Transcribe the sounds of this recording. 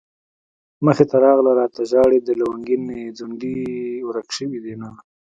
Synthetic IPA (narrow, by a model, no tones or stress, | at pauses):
məxet̪aɾɑɣlaɾɑt̪aʒɑɽed̪əlawaŋɡinːed͡zuɳɖiwɾakʃəwid̪ina